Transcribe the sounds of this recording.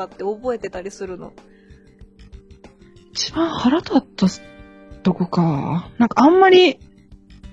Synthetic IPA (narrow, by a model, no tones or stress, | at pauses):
at̪ːe̞obo̞e̞t̪e̞t̪aɾʲisɨɾɯ̟no̞̰ | it͡ɕibãɰ̃haɾat̪at̪ːa | t̪oko̟kanãŋkaãmːaɾʲi